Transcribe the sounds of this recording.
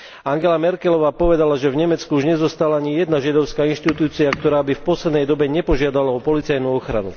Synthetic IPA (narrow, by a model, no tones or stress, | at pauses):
aŋɡɛlamɛɾkɛlɔʋaːpɔʋɛd̪alaʒɛvɲɛmɛt͡skuuʒɲɛzɔst̪alaaɲijɛd̪naʒad̪ɔʊskaːinʃt̪it̪uːt͡siakt̪ɔɾaːbifpɔslɛd̪nɛjd̪ɔbɛɲɛpɔʒɪad̪alaɔpɔlit͡sajnuɔxɾa̰nṵ